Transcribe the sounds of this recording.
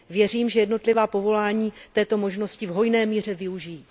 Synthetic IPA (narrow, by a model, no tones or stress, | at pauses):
vjɛr̝iːmʒɛjɛdno̞t̪lɪvaːpo̞vo̞laːɲiːt̪ɛːt̪o̞mo̞ʒno̞scɪvɦo̞jnɛːmiːr̝ɛvɪuʒiji